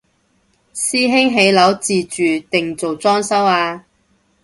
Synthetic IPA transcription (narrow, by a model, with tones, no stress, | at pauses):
siː˥ɦɪ˥ŋɦe˨˧˥jlɐ˨˥wt͡siː˨˩t͡ʃyː˨t̪ɪ˨ŋt͡so˨wt͡sɔː˥ŋsɐ˥waː˧